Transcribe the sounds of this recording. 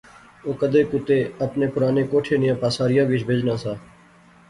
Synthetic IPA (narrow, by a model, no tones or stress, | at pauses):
oːkəd̪eːkʊt̪eːəpneːpʊɾaːneːkoːʈʰeːnɪjãːpaːsaːɾɪjãːʋɪt͡ʃʰbʱeːd͡ʒnãːsaː